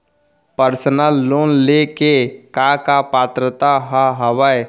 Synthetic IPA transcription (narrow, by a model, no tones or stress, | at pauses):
pəɾsənəlːoːnlekekakapaːt̪ɾət̪aɦəɦəʋəj